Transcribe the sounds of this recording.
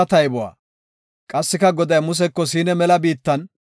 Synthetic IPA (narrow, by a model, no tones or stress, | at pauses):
ɐt̪ɐjbɔwa̰ː | kʼɐsːɪkɐɡɔd̪ɐjmʊs̬ɛkːɔs̬iːnɛmɛlɐbiːt̪ːɐn